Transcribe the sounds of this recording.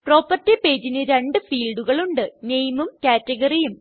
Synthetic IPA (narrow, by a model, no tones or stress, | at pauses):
pro̞ːpɐrtːipe̞ːd͡ʑinɨɾeɳɖɨfiːlɖuɣɐɭuɳɖɨnejmumkaːtːɐɣɐrijum